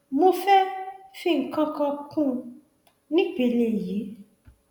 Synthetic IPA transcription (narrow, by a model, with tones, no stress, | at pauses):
mo˧fɛ˦fĩ˦˨ŋ̩˨kɔ̃˦kɔ̃˧kũ˦ | nĩ˦k͡pe˧˨le˧˨ji˨˦